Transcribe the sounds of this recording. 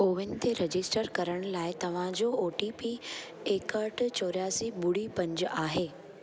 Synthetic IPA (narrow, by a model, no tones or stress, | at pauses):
oːʋɪnɪ̆t̪ʰeɾɐd͡ʑɪsʈəɾkɐɾəɽ̃laːɪt̪ɐʋ̤ãd͡ʑooːʈipi | eːkəɾʈt͡ɕoːɾjaːsibʊɽ̤ipɐ̃ɲd͡ʑʊaːɦeː